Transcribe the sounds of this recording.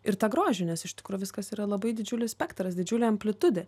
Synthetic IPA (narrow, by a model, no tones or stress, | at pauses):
ɪɾt̪ɑːɡɾoːʒʲɪnʲɛsɪʃt̪ʲɪkɾuːjʊʋʲɪskɐsiːɾɐlˠɐbɐɪd̪ʲɪd͡ʒʲʊlʲɪsʲpʲæːkt̪ɾɐsd̪ʲɪd͡ʒʲʊlʲeːɐmʲpʲlʲɪt̪ʊd̪ʲe